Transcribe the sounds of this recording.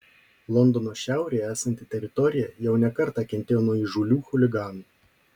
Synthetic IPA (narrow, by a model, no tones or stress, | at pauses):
lˠɔnd̪ɔnoːʃʲæˑʊɾʲeːjæːsɐnʲt̪ʲɪt̪ʲɛɾʲɪt̪ɔɾʲɪjɛjɛʊnʲɛkɐɾt̪ɑˑkʲɛnʲt̪ʲeːjoːnuɔiʒulʲuːxʊlʲɪɡɑːnu